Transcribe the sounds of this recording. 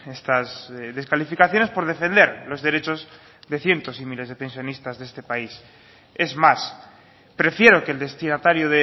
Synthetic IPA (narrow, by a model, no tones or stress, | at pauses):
est̪asðe̞skalifikaθjo̞ne̞spo̞ɾð̞e̞fẽ̞nd̪e̞ɾlo̞zðe̞ɾe̞t͡ʃo̞z | ðe̞θje̞nt̪o̞simile̞zðe̞pe̞nsjonist̪azðe̞st̪epais | e̞zmas | pɾe̞fje̞ɾoke̞ld̪e̞st̪inat̪aɾjoðe